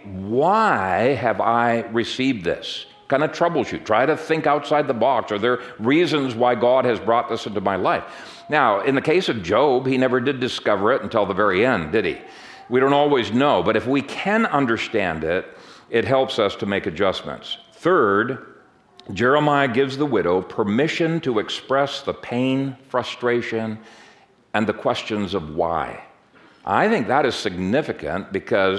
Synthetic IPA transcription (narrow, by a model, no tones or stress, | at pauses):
waɪɨvaɪɹɨsivd̪ðɪ̰s | kʰãɪ̃ndɨv̥tʰɹ̥ʌbl̩ˠʃʉ̰tʰɹ̥aɪɾɨθɪ̃ŋkaʊtsaɪd̪̚ðəbɑksə˞ðə˞ | ɹizɨ̃nzwaɪɡɑd̚ɨzbɹɔt̪̚ðɪsɪ̃ntʉmaɪlaɪf | naʊɪ̃nðɨkʰeɪsʌvd͡ʒoʊbhinɛvə˞dɨdɨskʌvə˞ɨɾn̩tʰɪlˠðəvɛɹiɛ̃ndɨɾ̚ḭ | wiɾõʊ̃ntɔlˠwiznoʊbʌɾɨfwikʰɨ̃nʌ̃ndə˞stæ̃ndɪɾɨt̚ɦɛlˠpsʌstʰəmeɪkɨd͡ʒʌsmɨ̰̃ntsθɜ˞d | d͡ʒɛɹəmaɪɨɡɪvzðəwɪɾoʊpʰə˞mɪʃɨ̃ntʰəɨkspɹɛsðəpʰẽɪ̃nfɹʌstɹ̥eɪʃɨ̃n | ɨ̃nðɨkʰw̥ɛst͡ʃɨ̃nzʌvwa̰ɪ | ʔa̰ɪθɪ̃ŋk̚ðəɾɨz̥sɨɡ̚nɪfɨkɨ̰̃nb̥ɨkʰʌz